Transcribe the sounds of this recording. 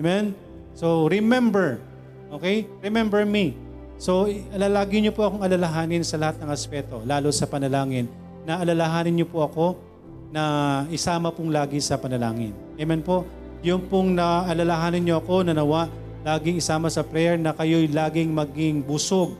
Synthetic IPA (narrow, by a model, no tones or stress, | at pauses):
mɛn | so̞ɾɪmɛmbɛɹ | ʔoːkɛjɹɪmɛmbɛɹmi | so̞ʔɐlɐlaːɡɪɲopoʔɐko̞ŋɐlɐlɐɦaːnɪnsɐlɐhat̪̚nɐŋɐspɛːt̪o̞laːlosɐpɐnɐlaːŋɪnː | ɐʔɐlɐlɐɦaːnɪnɲopoʔɐko̞ | nɐʔɪsaːmɐpʊŋlaːɡɪsɐpɐnɐla̰ːŋɪ̰nʔɛmɛnpo̞ʔ | jʊŋpʊŋnɐʔɐlɐlɐɦaːnɪnɲoɐko̞nɐnɐwaʔ | laːɡɪŋɪsaːmɐsɐpɾɛjɛɹnɐkɐjo̞jlaːɡɪŋmɐɡɪŋbʊsoɡ̚